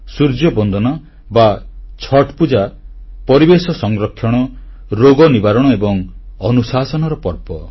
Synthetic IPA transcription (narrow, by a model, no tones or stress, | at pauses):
suɾd͡ʒjɔbɔnd̪ʱɔnɔ | bat͡ʃʰɔʈpud͡ʒa | pɔɾibesɔsɔŋɡɾɔkʰːjɔɽ̃ɔ | ɾoɡɔnibaɾɔɽ̃ɔebɔŋɔnusasɔnɔɾɔpɔɾpɔ